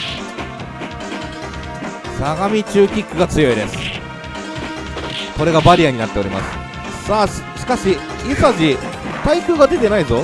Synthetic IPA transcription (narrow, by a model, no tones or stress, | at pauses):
saɡamʲit͡ɕɨːkʲikːɯ̟ɡat͡sɨjo̞id̪e̞sɨ̥ | ko̞ɾe̞ɡabaɾʲijaɲ̟inat̪ːe̞o̞ɾʲima̰sɨ̥ | saːɕi̥kaɕi | isaʑit̪aikɯ̟ːɡad̪e̞t̪e̞naizo̞